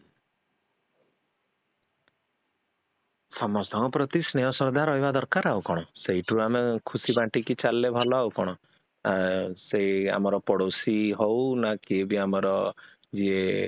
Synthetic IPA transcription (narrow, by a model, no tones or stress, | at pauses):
sɔmɔst̪ɔ̃ŋɔpɾɔt̪isnejɔsɔɾd̪aɾɔɦibad̪ɔɾkaɾaukɔɽ̃ɔseɦiʈʰuamekʰusibãʈikit͡ʃalːebʱɔlɔawkɔɽ̃ɔ | sea̰mɔɾɔpɔɽosiɦownakeːbiamɔɾɔ | d͡ʒie